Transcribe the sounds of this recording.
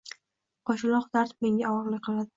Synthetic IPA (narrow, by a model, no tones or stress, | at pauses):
qʰɒʃɪlˠɒχd̪aɾt̪me̞ŋʲaɒwɒɾlˠɪqʰɨlˠad̪ɪ